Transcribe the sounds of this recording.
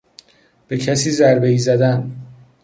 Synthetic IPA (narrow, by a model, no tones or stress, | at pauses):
b̥e̞cʰæsiːzæɾbeiːzæd̪æn